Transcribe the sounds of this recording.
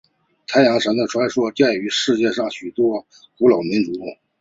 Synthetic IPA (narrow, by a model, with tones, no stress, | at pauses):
t̪ʰa˥ɪjɑ˧˥ŋʂə˧˥nd̪ə˨˩ʈ͡ʂʰwa˥ɪʂwɔ˥t͡ɕjɛ˥˩y˧˥ʂɻ̩˥˧t͡ɕjɛ˥˧ʂɑ˥˩ŋɕy˨˩t̪wɔ˥ | ku˧˥lɑ˨˩ʊmi˧˥nʈ͡ʂu˧˥˩